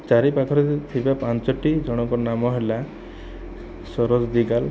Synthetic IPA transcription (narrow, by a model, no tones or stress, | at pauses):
t͡ʃaɾipat̪ʰɔɾet̪ʰibapãnt͡ʃɔʈid͡ʒɔɽ̃ɔŋkɔnamɔɦela | sɔɾɔd͡ʒd̪iɡal